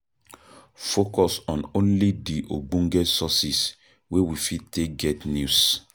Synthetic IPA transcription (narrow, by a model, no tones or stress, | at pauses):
fokɔsɔ̃nõnlidiʔoɡ͡bũŋɡɛsɔsis | wewifid̚tek̚ɡɛtnjus